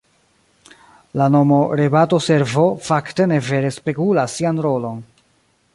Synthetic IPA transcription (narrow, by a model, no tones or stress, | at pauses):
lano̞mo̞ɾebato̞se̞ɾvo̞fakte̞ne̞ve̞ɾe̞spe̞kulasːianɾo̞lo̞n